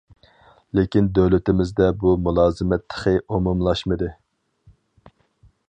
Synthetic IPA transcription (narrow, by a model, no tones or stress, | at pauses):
lekʲind̪øwlɪt̪ɪmɪzd̪ɛbumulˠɑːzɨmɛt̪ʰːə̥χɨʔomumlˠɑʃmɨd̪ɨ